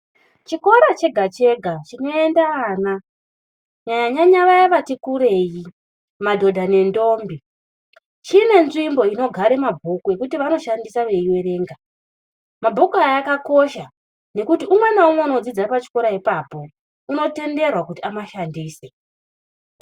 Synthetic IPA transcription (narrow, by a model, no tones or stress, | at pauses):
t͡ʃiko̞ɾat͡ʃe̞ɡʱat͡ʃe̞ɡʱat͡ʃino̞e̞ndaaːna | ɲaɲaɲaɲaʋajeʋatikuɾe̞ji | madʱo̞dʱane̞ndo̞ːmbi | t͡ʃine̞nʐimbo̞ino̞ɡʱaɾe̞mabʱukue̞kutiʋano̞ʃandisaʋe̞iwe̞ɾe̞ːŋɡa | mabʱukuajakako̞ʃa | ne̞kutiumwe̞naumweunod͡zid͡zapat͡ʃi̥ko̞ɾaipaːpo̞ | uno̞te̞nde̞rwakutiamaʃandiːse